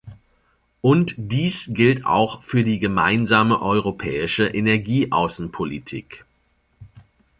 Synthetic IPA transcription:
ʔʊntd̥iːsɡ̥ɪlta̰ʊxfyːɐdiːɡəma̰ɪnzaːməʔɔʏʁopʰɛːɪʃəʔenɛɐɡiːʔa̰ʊsn̩pʰolitʰḭːk

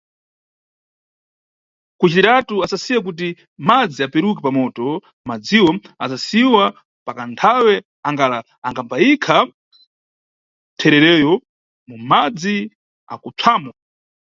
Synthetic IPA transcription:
kut͡ʃitiɾatuasasiwak̬ut̬i | mad͡ziapɛɾuk̬ɛpamɔtɔ | mad͡ziwɔasasiwa | pakantʰawɛ | aŋɡala | aŋɡampaikʰa | tʰɛɾɛɾɛjɔ | mumad͡zi | a̰kut͡sʰaːmwa

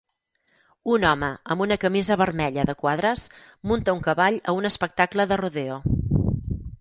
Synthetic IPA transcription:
unɔməəmbunəkəmizəβərmɛʎəðəkwaðɾəs | munt̪əuŋkəβaʎəunəspək̚t̪akləðəruðeo

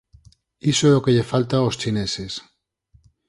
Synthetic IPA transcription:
isoeokeʎefalt̪aost͡ʃineses

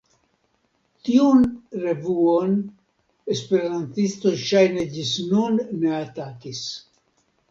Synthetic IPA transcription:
t̪iunre̞vuon | espe̞ɾant̪ist̪ojʃajned͡ʒisnunːeat̪akis

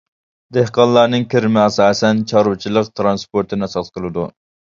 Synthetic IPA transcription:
d̪ehqɑnlːˠɑɾnɨŋkʲʰɪɾɪmɪɑsɑːsɛnt͡ʃʰɑɾut͡ʃʰilˠəqt̪ʰɾɑnspoɾt̪ʰɪnɑsɑt̪qʰəlˠɨd̪u

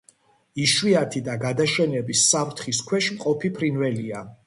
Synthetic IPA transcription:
iʃwiat̪ʰid̪aɡad̪aʃɛnɛbisːavɾt̪ʰχiskʰwɛʃmqʼɔpʰipʰɾinvɛlia

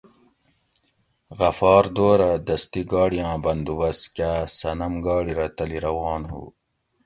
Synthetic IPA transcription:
ɣɐfɑːɾd̪oːɾad̪ɐst̪iɡɑːɽijãːbɐnd̪uwɐskaːsɐnɐmɡɑːɽiɾɐt̪ɐliɾɐwɑːnɦṵː

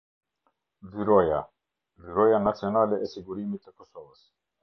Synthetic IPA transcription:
ðiɾɔja̰ | viɾɔjanat̪sionalɛʔɛsiɡuɾimit̪ɛkɔsɔvas

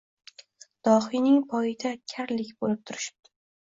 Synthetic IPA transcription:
d̪̥ɒhinɪŋpʰɒɪd̪ʰakʲʰaɾlɪkʲbolɪp̚t̪ʰʊɾɪʃɪ̥b̚t̪ʰɪ̥

